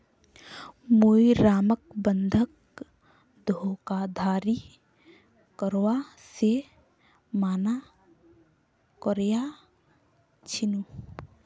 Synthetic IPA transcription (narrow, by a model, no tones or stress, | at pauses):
mujɾaːmək̚bənd̪ʱək̚ | d̪ʱokad̪ʱaːɾi | kəɾwa | se | maːna | kəɾja | t͡ʃʰinu